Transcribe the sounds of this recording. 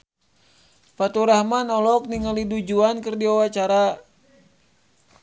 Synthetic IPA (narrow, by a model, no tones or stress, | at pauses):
pat̪uɾahmanɔlɔk̚niŋalidud͡ʒuankərdiɔwat͡ʃaɾa